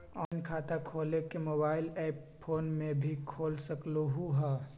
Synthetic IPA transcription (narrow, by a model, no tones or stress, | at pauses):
ɔːnkʰaːt̪akʰoːlekemoːbaːɪlɛːp | pʰoːnmẽbʱikʰoːlsəkloɦuɦɛː